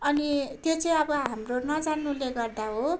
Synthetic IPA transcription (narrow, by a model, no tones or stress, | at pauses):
ʌnit̪jot͡sʌĩʌbʌɦamronʌd͡zanːuleɡʌrd̪aɦo